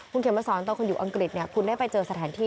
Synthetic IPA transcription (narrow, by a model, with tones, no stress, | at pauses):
kʰu˧nkʰe˩˦ma˧sɔː˩˦nt̪̬ɔ˧kʰo˧njuː˨˩ʔa˧ŋkɾi˨˩t̪̚ni˥˩ɐkʰu˧nda˥˩jpa˧jt͡ɕɤː˧sa˧t̪ʰaː˩˦nt̪ʰiː˥˩